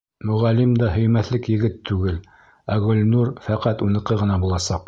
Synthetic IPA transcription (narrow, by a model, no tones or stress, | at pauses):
mɵ̆ʁælimd̪ɑɦɵ̆jmæθlɘkjɘ̆ɡɘt̪ʰːʉɡɘl | æɣɵ̆lʲnuɾfæqæt̪unɤ̆qɤʁɤ̆nɑbulˠɑsɑq